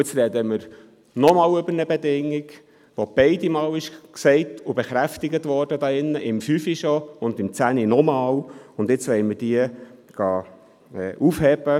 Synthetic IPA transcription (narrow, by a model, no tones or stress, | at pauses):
ɪt͡sɾɛd̪əməɾ | nɔmɑːwɵbəɾnəbed̪ɪŋːiɡ | ʋob̥ɛɪdimɑːwɪʃksɛɪtʰʊbeχɾæftɪɡət̪ʋɔɾdəd̪ɑːɪnːəʔɪmfyfiʃɔʊnd̪ɪmt͡sæninɔmɑːwʊndɪt͡sʋɛɪməd̥iːəɡ̥ɑː | ɛːʔufhɛb̥ə